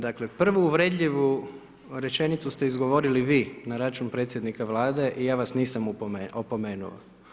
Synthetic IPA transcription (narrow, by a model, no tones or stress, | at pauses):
d̪aklepr̩ʋuːʋɾed̪ʎʲiʋu | ɾe̞t͡ʃe̞nit̪sust̪e̞izɡoʋo̞ɾiliʋiːnaɾat͡ʃunpɾet̪sje̞d̪nikaʋlˠaːd̪e̞ʔijaːʋasniːsamueopo̞me̞ːnṵo̰